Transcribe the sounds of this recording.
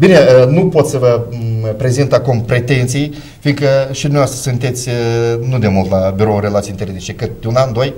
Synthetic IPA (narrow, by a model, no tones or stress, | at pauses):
bineənupo̞t̪səvəpɾezint̪akumpɾe̞t̪e̞nt̪sij | finɡ̪kəʃid̪umneaast̪ɾəsɨnt̪e̞t̪sʲnud̪e̞mult̪labiɾo̞uɾe̞lat̪sint̪eɾed̪it͡ʃekɨt̪̚d̪eunand̪o̞j